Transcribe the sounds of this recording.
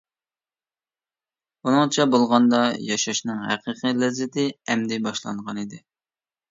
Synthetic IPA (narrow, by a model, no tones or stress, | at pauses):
unɨŋt͡ʃʰɛbolˠʁɑnd̪ɑjɑʃɑʃnɨŋɦæqʰəqʰilɛzɪt̪ʰɪɛmd̪ɪbɑʃlˠɑ̰ɴʁɑnid̪ɪ